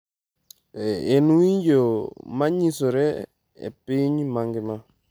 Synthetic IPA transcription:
ɛːnuwiɲd͡ʒomaɲisɔɾɛ | ɛ̰pɪɲmaŋɡɪma

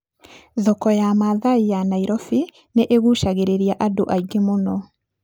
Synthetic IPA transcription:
zɔkɔjamaðaijanaiɾɔfi | neʔeɣuʃaɣeɾeɾiaʔadoʔaiɡemonɔ

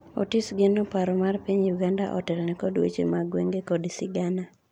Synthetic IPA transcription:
o̰tisɡenɔpaɾɔmarpiɲjuɡanda̰ʔɔtɛlnɛkɔdwo̰t͡ʃḛmaɡweŋɡekɔdsɪɡana

